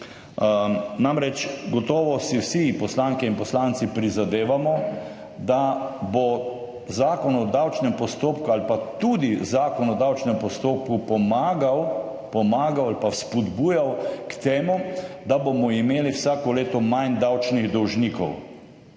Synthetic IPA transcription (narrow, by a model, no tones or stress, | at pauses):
namɾɛt͡ʃɡɔt̪ɔːʋɔsiwsipɔslaːŋkɛinpɔslaːnt̪sipɾizad̪eːʋamɔ | d̪abo | zaːkɔnɔd̪awt͡ʃnɛmpɔst̪oːpkualpat̪ud̪izaːkɔnɔd̪awt͡ʃnɛmpɔst̪oːpkupɔmaːɡaw | pɔmaːɡawalpaspɔd̪buːjawkt̪eːmud̪abomɔimeːliwsaːkɔleːt̪ɔmajnd̪awt͡ʃniɣd̪ɔwʒniːkɔ̰w